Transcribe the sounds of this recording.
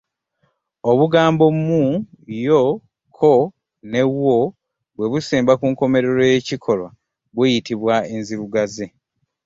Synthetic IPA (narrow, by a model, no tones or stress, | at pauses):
o̞βuɡaːmbo̞mu | jo | kʰo | ne̞wwo | βwe̞βusiːmbakuːŋko̞me̞ɾe̞ɾojecikʰo̞lwa | βwejitiβwaenziɾuɡaze